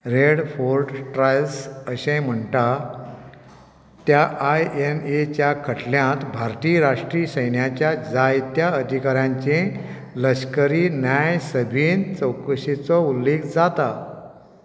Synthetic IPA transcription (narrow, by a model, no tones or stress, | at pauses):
ɾeɽfoɾɖʈɾajlsəɕẽm̤əɳʈa | t̪jaʔajenet͡ɕjakʰəʈʰljãt̪bʱaɾt̪iːɾaʂʈɾisəjɳjat͡ɕjad͡zajt̪jaəd̪ʱikaɾjãɲt͡ɕẽ | ləɕkəɾinjajsəbʱiːnt͡səwkəɕit͡sɔulːekd͡zat̪a